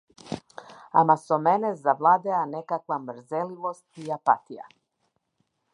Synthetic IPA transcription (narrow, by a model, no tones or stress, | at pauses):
a̰masɔmɛnɛzavlˠad̪ɛanɛkakvamɾ̩zɛlivɔst̪iapa̰t̪ija̰